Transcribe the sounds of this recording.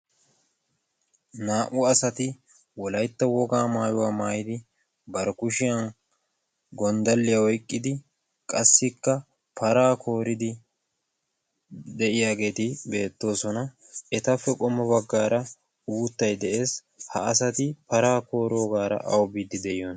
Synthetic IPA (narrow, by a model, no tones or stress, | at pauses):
naːʔʊɐsɐt̪ɪ | wɔlɐjt̪ːɐwɔɡaːmaːjʊwaːmaːjɪd̪ɪ | bɐɾkʊʃɪjɐn | ɡɔnd̪ɐlːɪjɐwɔjkʼːɪd̪ɪ | kʼɐsːɪkːɐ | pʰɐɾaːkʰo̞ːɾɪd̪ɪ | d̪ɛʔɪjaːɡe̞ːt̪ɪbe̞ːt̪ːo̞ːsɔnɐ | ɛt̪ɐfːɛkʼɔmɔbɐɡːaːɾɐ | uːt̪ːɐjd̪ɛʔe̞ːs | hɐ̰ɐsɐt̪ɪpɐɾaːko̞ːɾo̞ːɡaːɾɐ̰ʔɐ̰wbiːd̪ːɪd̪ɛɪjɔn